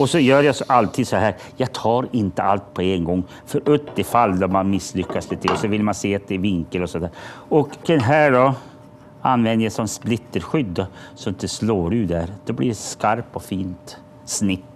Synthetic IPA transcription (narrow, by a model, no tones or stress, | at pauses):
ɔsɔjœːɾjasʔalt̪ʰiːd̪sɔɦæːɾ | jɑːɡ̚t̪ʰɑːɾɪnt̪əalt̪pʰɔɛnɡɔŋː | fœɾʔɵt̪d̪ɪfalːd̪ɔmanmɪslʏkːaslɪt̪ʰɪɔsɔvɪlmanseːat̪̚d̪ɛvɪŋkəlɔsɔnd̪æːɾɔkd̪ɛnɦæːɖɔ | anːvɛnd̪əjasɔnsplɪt̪ːəɾɧʏd̪ːɔsɔmɪnt̪ːəsloːɾʉ̟ːd̪æɾd̪̥ɔblɪɾskaɾpɔfiːnt̪ | snɪt̪ː